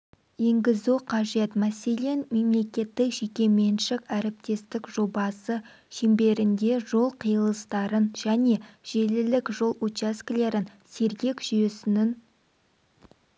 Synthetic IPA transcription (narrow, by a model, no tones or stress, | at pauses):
je̞ŋɡʲɪzuqʰɑʒe̞t̪mæse̞le̞nme̞mle̞kʲe̞t̪ːɪkʒ̥e̞kʲe̞me̞nʃɪkæɾɪp̚t̪e̞st̪ɪkʒo̞bɑsə | ʃembe̞ɾɪnd̪e̞ʒo̞lˠqʰəjəlˠəst̪ɑɾənʒ̥æne̞ʒ̥e̞lɪlɪkʒo̞lˠut͡ʃaskʲle̞ɾɪnse̞ɾɡʲe̞kʒ̥yjesɪnɪn